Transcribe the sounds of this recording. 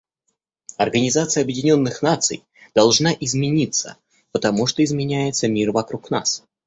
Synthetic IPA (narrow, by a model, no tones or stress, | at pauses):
ɐrɡənʲɪzat̪sɨjəɐbjɪdʲɪnʲo̞nːɨxnat̪sɨ̰j | d̪̥ɐlˠʐnaʔɪzmʲɪnʲit̪sə̰ | pət̪ɐmuʂt̪oɪzmʲɪnʲæjɪt̪səmʲirvɐkɾukna̰s